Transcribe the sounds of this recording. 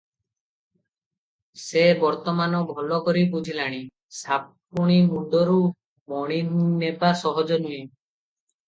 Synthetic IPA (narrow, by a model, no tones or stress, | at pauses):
sebɔɾt̪ɔmanɔbʱɔlɔkɔɾibud͡ʒʱilaɽ̃i | sap | uɽ̃imuɳɖɔɾu | mɔɽ̃inepasɔɦɔd͡ʒɔnue